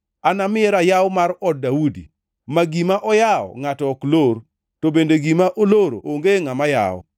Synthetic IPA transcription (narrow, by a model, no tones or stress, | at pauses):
anamɪɛɾajawmaɾɔd̚ːaudḭ | maɡimaʔɔjaɔ̰ŋatɔːkloɾ | tobendeɡimaʔoloɾooŋɡeŋamaja̰ɔ̰